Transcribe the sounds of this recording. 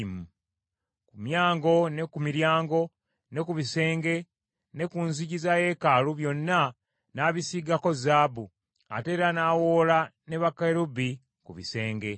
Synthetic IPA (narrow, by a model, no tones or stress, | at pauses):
mu | kumjaːŋɡo̞ne̞kumiɾjaːŋɡo̞ | ne̞kuβise̞ːŋɡe̞ | ne̞kunziɟizaje̞kaluβjo̞nːa | naːβisiɡako̞zaːbu | a̰te̞ːɾanaːwoːlane̞βakaɾubi | kuβḭse̞ːŋɡe̞